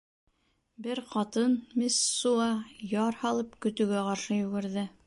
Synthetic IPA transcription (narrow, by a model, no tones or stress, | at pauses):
bɘɾqɑt̪ɤnmisːuɑjɑɾhɑlˠɤpkɵ̆t̪ɵ̆ɡæqɑɾʃɤjʉ̆ɡɘ̆ɾðɘ